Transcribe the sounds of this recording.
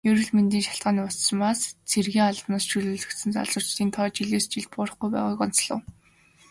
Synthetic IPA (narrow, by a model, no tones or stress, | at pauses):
jɵɾɵ̆ɮment̪iːŋʃḁɬt̪̚ɢaːniːʊsə̆maːst͡sʰerɣiːŋaɮtnɔːsʃʰɵɮuːɮɵ̆kt̪sɘ̆nt͡sa̰ɮt͡sʊːt͡ɕt̪iːnt̪ʰɔːt͡ɕiɮeːst͡ɕiɮt̪̚pʊːɾə̆χɡujpæ̰ːʁʊːkɔn̥t͡sɮə̰̆ːw